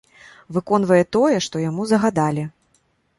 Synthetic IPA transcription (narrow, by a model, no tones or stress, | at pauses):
vɨkɔnvɐjɛt̪ɔjɛʂt̪ɔjamuzɐɣad̪alʲi